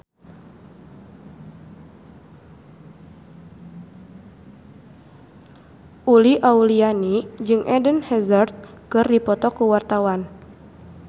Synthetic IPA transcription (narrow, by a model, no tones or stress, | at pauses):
ʔuliʔaulianid͡ʒɨŋʔɛdənhɛzərt̪̚kɨrdipɔt̪ɔkuwart̪awan